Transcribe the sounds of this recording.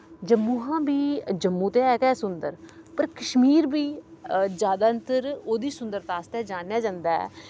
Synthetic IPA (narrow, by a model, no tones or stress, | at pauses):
d͡ʒəmːũːɦãːbiːd͡ʒəmːũːt̪eːɛːkɛːsʊnd̪əɾpəɾkəʃmiːɾbiːd͡ʒjaːd̪aːənt̪əɾoːd̪iːsʊnd̪əɾt̪aːst̪ɛːd͡ʒaːnjaːd͡ʒãːnd̪aɛ̰ː